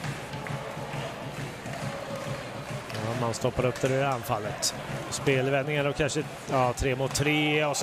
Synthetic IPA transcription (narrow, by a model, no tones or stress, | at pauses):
jɑːmanst̪ɔpːaɾɵpːd̪æɾɵanːfalːət̪ | ɔspeːlvɛnːɪŋaɔkʰanʂə | jɑːt̪ʰɾeːmoːt̪ʰːɾeːɔs